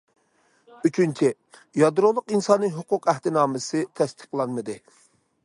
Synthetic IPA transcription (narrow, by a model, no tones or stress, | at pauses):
yt͡ʃʰynt͡ʃʰi | jɑd̪ɾolˠʊqinsɑnːɨŋɦʊqʊqæht̪ɪnɑːmɨsɨt̪ʰɛst̪ʰə̥χlˠɑnmɨd̪ɨ